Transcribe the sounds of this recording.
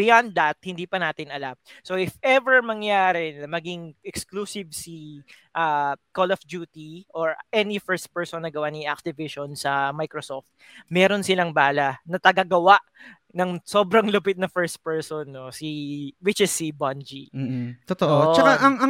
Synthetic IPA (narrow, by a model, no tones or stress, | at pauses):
bɪjand̪ːɐt̪̚hɪnd̪iːpɐnaːt̪ɪnɐlamsoʔɪfɛvɛɹmɐŋjaːɾɪnɐmɐɡiŋʔɛkskluːsɪvsi | ʔaːkolɐfd͡ʒuːt̪iʔoɹʔɛnifɛɹst̪̚pɛɹsɔnːɐɡɐwaniʔak̚t̪ɪvɪʃonsɐmajkɾosoft̪̚ | mɛːɾonsɪlɐŋbaːlɐnɐt̪ɐɡɐɡɐwaʔ | nɐŋso̞ːbɾɐŋlʊpɪt̪̚nɐfɛɹst̪̚pɛɹsonːosiwɪt͡ʃɪsːiband͡ʒiːt̪ot̪oʔoʔt͡ʃɐaʔɐŋɐ